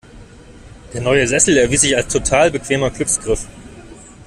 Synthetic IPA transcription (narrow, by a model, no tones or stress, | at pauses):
d̥eːɐnɔʏəzɛsl̩ɛɐviːs̬z̥ɪçalstʰotʰaːlbəkv̥eːmɐɡlʏksɡ̥ʁɪf